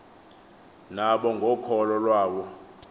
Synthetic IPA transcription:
naɓɔŋɡʱɔkʰɔlɔlwaːwɔ

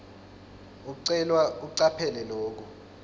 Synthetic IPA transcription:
uk̬uǀɛlwauuǀapʰɛlɛloːk̬u

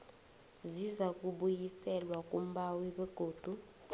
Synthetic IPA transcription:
zizak̬ʼuɓujisɛlwak̬ʼum̩ɓawiɓɛɡ̥ʱoːd̥ʱu

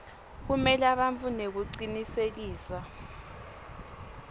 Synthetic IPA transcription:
k̬umɛlaɓaɱt͡funek̬uǀinisek̬iːsa

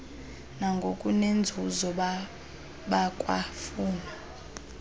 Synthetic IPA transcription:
naŋɡʱokʼunend͡zʱuzɔ | ɓakʼwa̰fuːna

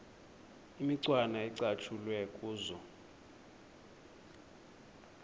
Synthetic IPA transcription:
imiǀwanaɛǀat͡ʃʰulwɛkʼuːzɔ

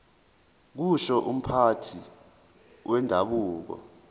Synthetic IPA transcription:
k̬uʃɔʔum̩pʰatʰi | wʔɛndʱaɓuːk̬ɔ̰

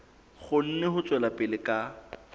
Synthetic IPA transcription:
χʊn̩nɛhʊt͡sʼwɛlapʼɪlɪkʼa

